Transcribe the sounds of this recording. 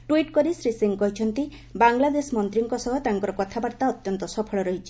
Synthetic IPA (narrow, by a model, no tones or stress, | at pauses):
ʈwiʈkɔɾisɾisiŋkɔɦit͡ʃʰɔnt̪i | baŋlad̪esmɔnt̪ɾiŋkɔsɔɦɔt̪aŋkɔɾɔkɔt̪ʰabaɾt̪aɔt̪jɔnt̪ɔsɔpʰɔɭɔɾɔɦit͡ʃʰi̥